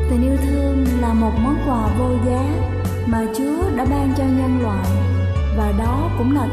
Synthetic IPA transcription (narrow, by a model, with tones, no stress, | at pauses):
t̪ʰŋʔi˧ə˧wt̪ʰɨ˧əŋlaː˨˩mo˨˩t̚mɔ˨˦tkwaː˧˩vo˧jɣəː˨˦j | maː˨˩t͡ɕu˨˦əɗa̰ː˧˥ɓaː˧ŋt͡ɕɔ˧ɲə˧nlwa̰ː˨˩j | vaː˨˩ɗɔ˨˦kʊ̰˧˥ŋ͡mlaː˨˩